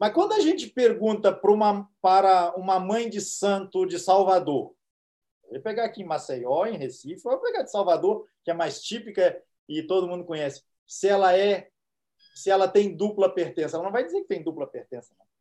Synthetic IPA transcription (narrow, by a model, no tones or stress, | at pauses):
mɐskwɐ̃nd̪ʊaʒẽt͡ʃɪpeɾɡũnt̪ɐpɾʊũmɐpaɾɐũmɐmɐ̃j̃d͡ʒɪsɐ̃nt̪ʊd͡ʒɪsawvad̪oɾ | avejpeɡaːkiẽmasejɔẽhesifjvapeɡad͡ʒɪ̥sawvad̪oɾkɪɛmajst͡ʃipikɐ | ɪt̪od̪ʊmũd̪ʊkõɲɛsɪ̥ | sɪɛlɐɛ | sɪɛlɐt̪ẽj̃d̪uplɐpeɾt̪ẽsɐɛlɐnɐ̃vajd͡ʒɪzeɾkɪ̥t̪ẽj̃d̪uplɐpeɾt̪ẽsɐnɐ̃